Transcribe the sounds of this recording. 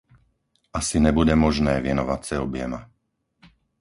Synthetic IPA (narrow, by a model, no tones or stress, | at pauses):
asiɲɛbuɟɛmɔʒnɛːʋɪɛnɔʋat͡sɛɔbɪjɛma